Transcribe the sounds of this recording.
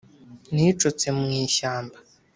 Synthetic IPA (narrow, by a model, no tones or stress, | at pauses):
nit͡ʃot͡semŋiːʃaːmba